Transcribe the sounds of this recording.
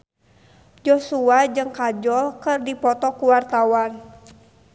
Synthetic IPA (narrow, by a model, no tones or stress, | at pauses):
d͡ʒɔsuad͡ʒɨŋkad͡ʒɔlkɨrdipɔt̪ɔkuwart̪awan